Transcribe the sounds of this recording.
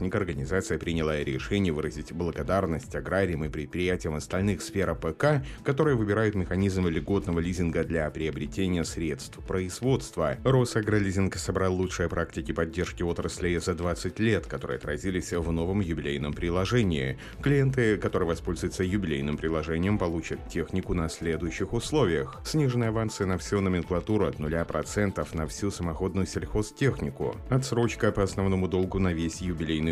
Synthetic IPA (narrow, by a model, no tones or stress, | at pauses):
nʲɪkəɐrɡənʲɪzat̪sɨjəpɾʲɪnʲɪlˠaɾʲɪʂɛnʲɪjəvɨɾəzʲɪtʲblˠəɡɐd̪arnəsʲtʲɐɡɾaɾʲɪjəmɨpɾʲɪt̪̚pɾʲɪjætʲɪjəmɐst̪ɐlʲnɨxsfʲeɾəpɛkakɐt̪o̞ɾɨjəvɨbʲɪɾajʊt̪mʲɪxɐnʲizmlʲɪɡo̞t̪nəvəlʲizʲɪnɡəd̪lʲapɾʲɪɐbɾʲɪtʲenʲɪjəsɾʲe̞t̪st̪fpɾəɪzvo̞t̪st̪vəro̞sɐɡɾalʲizʲɪnksɐbɾɑlˠːut͡ʂʂɨjəpɾaktʲɪkʲɪpɐdʲːerʂkʲɪo̞t̪ɾəsʲlʲɪzɐd̪vat̪sɨtʲlʲe̞t̪kɐt̪o̞ɾɨ̰ːɐt̪ɾɐ̰zʲilʲɪsʲvno̞vəmjʊbʲɪlʲejnəmpɾʲɪlˠɐʐɛnʲɪː | klʲɪje̞nt̪ɨkɐt̪o̞ɾɨjəvɐspo̞lʲzʊjɪt̪səjʊbʲɪlʲejnɨmpɾʲɪlˠɐʐɛnʲɪjəmpɐlˠut͡ɕət̪tʲːe̞xnʲɪkʊnɐsʲlʲe̞d̪ʊjʏɕːɪxʊslˠo̞vʲɪjəxsʲnʲiʐɨnəjɐvant̪sɨjənɐfsʲunəmʲɪnklˠɐt̪uɾʊɐt̪nʊlʲapɾʔɐt̪sɛnt̪əfnɐfsʲusəmɐxo̞d̪nʊjʊsʲɪlʲxo̞stʲe̞xnʲɪkʊ̰ɐt̪sɾo̞t͡ɕkəpəɐsnɐvno̞mʊd̪o̞lˠɡʊnɐvʲesʲjʊbʲɪlʲejnɨ